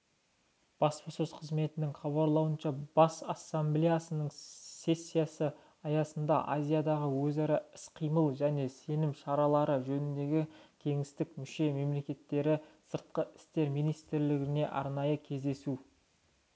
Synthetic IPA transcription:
b̥ɑspososqʰəzme̞t̪ɪnɪŋχɑβɑɾlˠɑwənʃɑb̥ɑsɑsːamblʲejasənəɴsʲe̞sʲːijasə | ɑjɑsənd̪ɑ̰ʔazʲijad̪ɑʁəwɵzɑɾɑɪsqʰijməlˠʒæne̞se̞nɪmʃɑɾɑlˠɑɾəʒɵnɪnd̪e̞ɡʲɪkʲʰe̞ŋɪst̪ɪkmʏʃe̞me̞mle̞kʲe̞t̪ːe̞ɾɪsəɾt̪̚qəʔɪ̥st̪e̞ɾmijnijst̪ɾlɪɡʲɪne̞ʔɑ̰ɾnɑjəkʲʰe̞zd̪e̞su

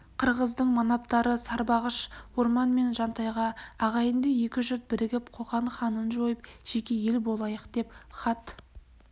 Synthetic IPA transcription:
qʰəɾʁəzd̪əɴmɑnɑpt̪ɑɾəsɑɾbɑʁəʃwo̞ɾmɑnme̞nʒɑnt̪ɑjʁɑːʁɑjənd̪eje̞kʲɪʒʏt̪̚bɪɾɪɡʲɪpqʰo̞qɑɴχɑnənʒo̞jəp̚ʒ̥e̞kʲe̞je̞lbo̞lˠɑjəqd̪e̞pχɑt̪

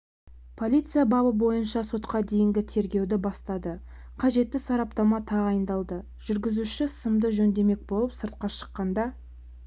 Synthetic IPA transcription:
pʰo̞lʲijt̪sɨjabɑbəbo̞jənʃɑso̞t̪qɑd̪e̞jɪŋɡʲɪt̪ʰe̞ɾɡʲe̞wd̪ɪbɑst̪ɑd̪ə | qʰɑʒe̞t̪ːɪsɑɾɑpt̪ɑmɑt̪ʰɑʁɑjənd̪ɑlˠd̪ə | ʒʏɾɡʲɪzuʃɪsəmd̪əʒɵnd̪e̞me̞k̚bo̞lˠəpsəɾt̪̚qɑʃə̥qːɑnd̪ɑ

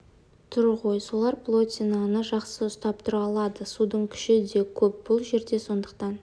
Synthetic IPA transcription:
t̪ʰʊɾʁojsolˠɑɾplˠo̞t̪ʲinanəʒɑqsəʊst̪ɑpt̪ʰʊɾɑlˠɑd̪əsud̪əɴkʲʰʏ̥ʃɪd̪e̞kʲʰɵp̚b̥ʊlˠʒe̞ɾd̪e̞so̞nd̪əqt̪ɑn

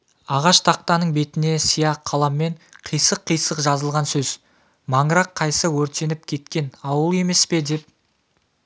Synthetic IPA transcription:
ɑʁɑʃt̪ʰɑq̚t̪ɑnəɴbe̞t̪ɪne̞sijɑqʰːɑlˠɑmːe̞ɴqʰijsəqʰːijsəqʒɑzəlˠʁɑnsɵz̥ | mɑɴəɾɑqʰːɑjsəwɵɾt̪e̞nɪp̚kʲʰe̞t̪kʲe̞nɑwəlˠe̞me̞spe̞d̪e̞p̚

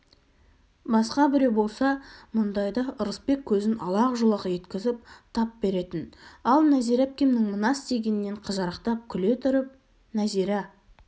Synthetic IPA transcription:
bɑsqɑbɪɾewbo̞lˠsɑmʊnd̪ɑjd̪ɑʔʊɾəspe̞kʲʰːɵzɪnɑlˠɑqʒʊlˠɑqje̞t̪kʲɪzɪp̚t̪ʰɑp̚be̞ɾe̞t̪ɪnɑlˠnæzijɾap̚kʲemnɪŋmənɑst̪e̞ɡʲenɪnːe̞ɴqʰəzɑɾəqt̪ɑp̚kʲʰʏle̞t̪ʰʏɾɪp̚ | næziɾɑ

